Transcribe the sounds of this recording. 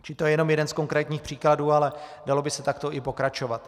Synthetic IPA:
t͡ʃɪlɪt̪ojɛjɛno̞mjɛdɛnsko̞ŋkɾɛːt̪ɲiːxpr̥iːkladuːalɛdalo̞bɪsɛt̪akt̪o̞ʔɪpo̞kɾat͡ʃo̞vat̪

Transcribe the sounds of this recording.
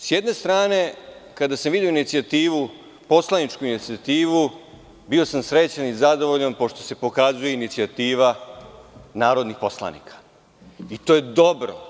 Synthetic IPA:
sjed̪ne̞st̪ɾaːne̞kad̪asamʋid̪ioinit̪siat̪iːʋu | po̞slˠanit͡ʃkuinit̪siat̪iːʋu | bio̞samsɾe̞t͡ɕenizad̪o̞ʋo̞ʎanpo̞ʃt̪o̞se̞po̞kazuje̞init̪siat̪iːʋa | naːɾo̞d̪nixpo̞slˠa̰nḭkʰḁ | it̪o̞jed̪o̞bɾo̰

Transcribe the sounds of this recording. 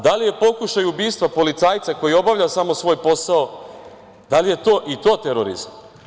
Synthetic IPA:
d̪alije̞po̞kuʃajubiːst̪ʋapo̞lit̪saːjt̪sako̞jio̞baʋʎʲasamo̞sʋo̞ːjpo̞sao | d̪alije̞t̪o̞ːʔit̪o̞ːt̪eɾo̰ɾḭzam

